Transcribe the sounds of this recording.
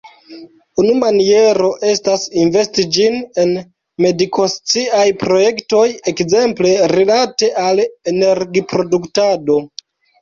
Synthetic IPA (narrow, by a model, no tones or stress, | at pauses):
unumanie̞ɾo̞ʔe̞stasinve̞stid͡ʒine̞n | me̞dikʰo̞st͡siajpɾo̞je̞kto̞jekze̞mple̞ɾilate̞ʔalene̞ɾɡipɾo̞duktado̞